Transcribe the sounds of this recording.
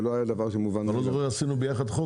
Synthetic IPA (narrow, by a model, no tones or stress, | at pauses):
loajad̪avaʁʃemuvanalozoʁeasinubejaχad̪χo